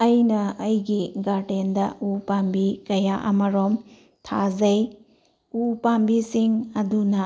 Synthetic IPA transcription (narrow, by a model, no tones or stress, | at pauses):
ɐjnɐɐjɡiɡaɾtendɐupambikɐjaʔɐ̰mɐɾom | tʰazɐj | upambisiŋɐdunɐ